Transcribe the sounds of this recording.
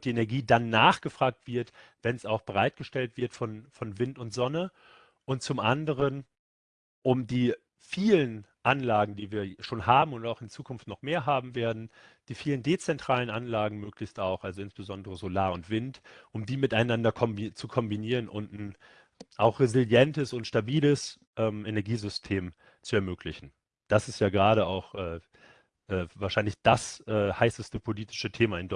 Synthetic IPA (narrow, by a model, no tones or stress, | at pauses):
d̥iːenɛɐɡiːdanːaːχɡ̥əfʁ̥aːk̚tv̥ɪɐtv̥ɛnsaʊxb̥əʁ̞aɪt̚ɡ̥əʃtɛltv̥ɪɐtfɔnfɔnvɪntʊntz̥ɔnə | ʔʊnt̚t͡sʊmʔandəʁ̞ən | ʔʊmdiː | fiːlənʔanlaːɡŋ̩diːviːɐʃoːnɦaːbm̩ʊntaʊxɪnt͡suːkʰʊnftnɔχmeːɐɦaːbm̩veːɐdn̩ | d̥iːfiːləndeːt͡sɛntʁ̥aːlənʔanlaːɡŋ̩møːklɪçtaʊxʔalzoɪnsb̥əzɔndəʁəzolaːɐʊntv̥ɪntʔʊmdiːmɪtaɪnandɐkʰɔmbit͡sukʰɔmbiniːʁ̞ənʔʊntn̩ | ʔaʊxʁ̥ezɪljɛntəsʊntʃtabiːləs | ʔɛːmʔenɛɐɡiːzʏstʰeːm | t͡suɛɐmøːkʰlɪçn̩ | d̥asɪstjaːɡəʁaːɾəaʊxʔɛː | ʔɛːvaːɐʃaɪnlɪçd̥asʔɛːhaɪsəstəpʰoliːtɪ̥ʃətʰeːmaɪndɔ